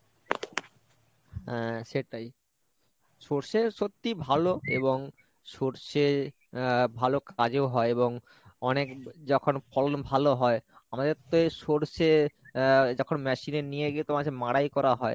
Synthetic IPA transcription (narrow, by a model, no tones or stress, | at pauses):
ɦɛ̃ʃeʈaj | ʃoɾʃeʃot̪ːibʱaloḛβoŋ | ʃoɾʃe | bʱalokad͡ʑeoɦɔeeboŋ | ɔnekd͡ʑɔkʰonfʰɔlonbʱaloɦɔeamad̪eɾt̪oeʃoɾʃe | d͡ʑɔkʰonmɛʃinenijeɡit̪omaemaɽajkɔɾaɦɔe